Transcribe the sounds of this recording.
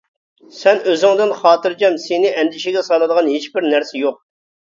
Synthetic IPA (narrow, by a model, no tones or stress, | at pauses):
sɛnøzɪŋd̪ɪnχɑːt̪ɨɾd͡ʒɑmsenɪʔɛnd̪ɪʃɪɡʲɛsɑlˠɨd̪əʁɑnhet͡ʃbɪɾnæɾsɛjoq̚